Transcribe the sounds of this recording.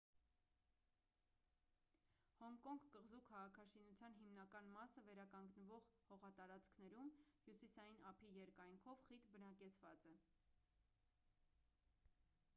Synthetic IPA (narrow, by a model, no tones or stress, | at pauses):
hɔŋkɔŋɡːəʁzukʰɑʁɑkʰɑʃinut͡sʰjɑn̪ɦimnɑkɑnmɑsəvɛɾɑkɑŋɡnəvɔʁhɔʁɑt̪ɑɾɑt͡skʰnɛɾumhjusisɑjinɑpʰijɛɾkɑjŋkʰɔvχit̪bənɑkɛt͡sʰvɑt͡sɛ